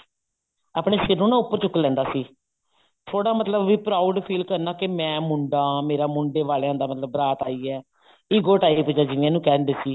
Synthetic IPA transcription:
aːpɳeːʃɪɾnũːnãːʊpːəɾt͡ʃʊkːlɛ̃ːnd̪aːsiː | t̪ʰoːɽaːmət̪ləbːiːpɾaːʊɖpʰiːlkəɾnaːkɪmɛ̃ːmʊɳɖaːmeːɾaːmʊɳɖeːʋaːlejãːd̪aːmət̪ləbːɾaːt̪aːiːɛː | iːɡoːʈaːiːpd͡ʒaːd͡ʒɪnɪjãːnũːkɛːɾnd̪eːsiː

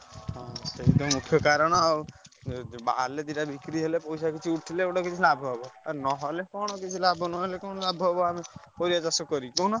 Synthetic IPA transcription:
ɦɔ̃seɦit̪ɔmukʰjɔkaɾɔɽ̃ɔa | ba̰led̪iʈabʱikɾiɦelepɔjsakit͡ʃʰiuʈʰileeʈakit͡ʃʰilabʱɦɔbɔaɾnɔɦɔlekɔɽ̃ɔkit͡ʃʰilabʱɔnɔɦelekɔɽ̃ɔlabʱɦɔbɔamepɔɾiad͡ʒasɔkɔɾikonɔ

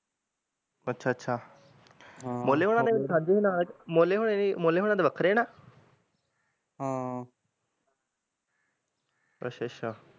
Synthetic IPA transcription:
ətːʃʰaːətːʃʰaː | ɦmoːleːɦoːɽ̃ãːd̪eːʋɪt͡ʃsãːɲd͡ʒeːɦiːnaːlkmoːleːɦoɽeimoːleːɦoːɽãːd̪eːʋəkʰəɾeːnaː | ɦã | ə̰ʃʰeʃʰaː

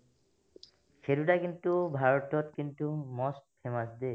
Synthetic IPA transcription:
xʰeɾudakint̪ubʱaɹɔtɔt̪kint̪umɔstpʰemasd̪e

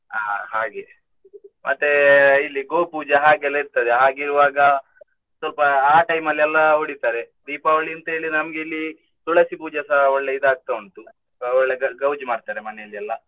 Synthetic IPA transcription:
aːɦaːɡe | mʔɐt̪ːeilːiɡoːpuːd͡ʒɐɦaːɡɛlːɐiɾt̪ɐd̪eɦaːɡiɾuʋaːɡɐ | sɐlpɐaːʈɐjmɐlːiɛlːɐoɽit̪aːɾe | d̪iːpaɐɭiɐnt̪ɐɦe̞ːɭinɐmɐɡe̞ilːi | suɭɐsipuːd͡ʒɐsɐɔɭːeid̪aːɡ̚t̪ɐʋɐɳt̪u | ɔɭːeɐɡɐwd͡ʒmaːɖt̪aːɾemɐnejɐlːiɛlːɐ

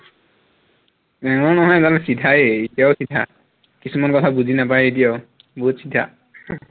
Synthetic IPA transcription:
ɛŋɔnɔɦɔjzalɛsidʱaeetijaʊsidʱa̰ | kisumankɔtʰabuzinapajɛet̬ijaʊ | bɔɦutsidʱa̰

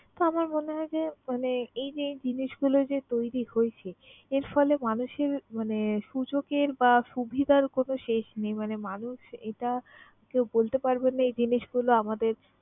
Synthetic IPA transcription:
t̪oamaɾmoneɦɔed͡ʑemaneejd͡ʑed͡ʑiniʃɡulod͡ʑet̪ojɾihoet͡ɕʰeeɾfɔlemanuʃeɾmaneʃud͡ʑokeɾbaʃubʱid̪ʱaɾkonoʃeʃnejmanemanuʃeʈa | kewbolt̪epaɾbenːaejd͡ʑiniʃɡuloamad̪eɾ

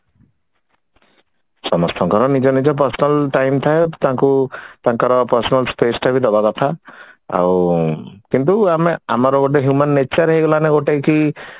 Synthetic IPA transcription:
sɔmɔst̪ʰɔ̃ŋkɔɾɔnid͡ʒɔnid͡ʒɔp̬ɔɾsɔnalʈajmt̪ʰaet̪ãkut̪ãŋkaɾɔpəɾsɔnalspesʈʰabid̪ɔbakɔt̪ʰaa̰w | kint̪uameamaɾɔbɔʈeɦjumanːet͡ʃaɾɦeɡɔlaneɡoʈeki

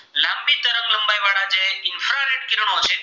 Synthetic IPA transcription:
lãmbit̪əɾəŋɡləmbajʋaɽad͡ʒeɪnfɾaɾeʈkɪɾɳ̃ot͡ʃʰe

